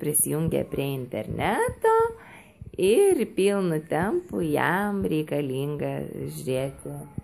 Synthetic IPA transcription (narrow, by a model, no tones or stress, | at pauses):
pʲɾʲɪsʲɪjuŋʲɡʲḛːpʲɾʲiɛɪnʲt̪ʲɛɾʲnʲæːt̪oː | ɪrpʲiːlˠnʊt̪ʲɛmpʊjɛmɾʲɛɪkɐlʲiːŋɡɐʒʲʊɾʲeːt̪ʲɪ